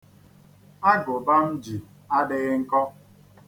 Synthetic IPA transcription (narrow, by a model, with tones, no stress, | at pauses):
a˦ɡʊ˨ba˦m̩˦d͡ʒi˨ | a˦dɪ˦ɣɪ˦ŋ̩˦kɔ˦